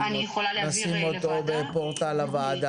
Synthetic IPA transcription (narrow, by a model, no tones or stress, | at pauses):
asimot̪obepoʁt̪alavaːd̪a